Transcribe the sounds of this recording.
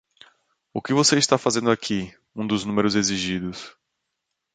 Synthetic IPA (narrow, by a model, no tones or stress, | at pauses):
ʊkɪvoseist̪afazẽnd̪ʊakʰi | ũd̪ʊznũmeɾʊzeziʒid̪ʊs